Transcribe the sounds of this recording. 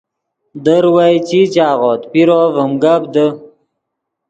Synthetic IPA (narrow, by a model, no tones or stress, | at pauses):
d̪əɾwajt͡ɕit͡ɕaːʁoːt̪piɾovəmɡabd̪ə